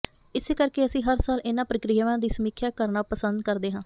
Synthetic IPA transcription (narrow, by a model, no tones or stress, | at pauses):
ɪseːkəɾkeːəsĩːɦəɾsaːlɪnãːpɾəkɾijʋãːd̪iːsəmiːkʰjaːkəɾnaːpəsənd̪kəɾd̪eːɦãː